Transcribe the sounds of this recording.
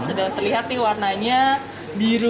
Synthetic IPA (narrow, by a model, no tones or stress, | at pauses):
nsədaŋt̪ərliɦat̪̚nɪhwarnaɲa | biɾu